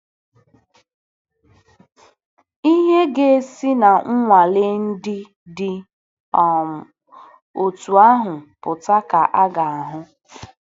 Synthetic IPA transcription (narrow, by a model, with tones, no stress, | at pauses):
i˦ɦe˦ɡe˦e˦si˦na˨ŋ̩˦ŋʷa˨le˦n̩˦dɪ˦ | dɪ˦ | ɔ˨ | o˨tu˨a˦ɦʊ˨pʊ˨ta˦ka˨ʔa˦ɡa˨a˨ɦʊ˦